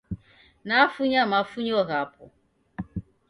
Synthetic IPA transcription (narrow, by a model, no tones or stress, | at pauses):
nafuɲamafuɲɔɣapʰɔ